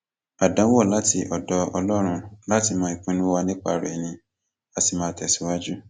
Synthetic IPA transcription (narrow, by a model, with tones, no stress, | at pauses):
a˨dã˨˦wɔ˦˨la˦ti˧ʔɔ˨dɔ˧ɔ˧lɔ˦ɾ̃ũ˧la˦ti˧˨mãː˨˦i˨k͡pĩ˨˦nũ˦wa˧nĩ˦k͡pa˧˨ɾɛ̰˨nĩ˧ | a˧ti˧˨mãː˦tɛ˨si˨˦wa˦d͡ʒu˦